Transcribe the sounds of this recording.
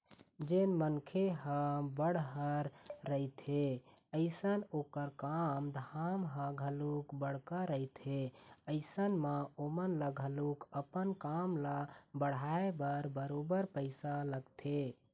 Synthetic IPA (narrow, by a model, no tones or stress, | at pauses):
d͡ʒenmənkʰeɦə̃bəɽ̤ɦəɾːəit̪ʰe | əɪsənokəɾkamd̪ʱamɦə̃ɡʱəlukbəɽ̤kaɾəit̪eəɪsənmaomənlaɡʱəlukəpənkamlabəɽ̤aebəɾbəɾobəɾpəɪsaləɡt̪ʰe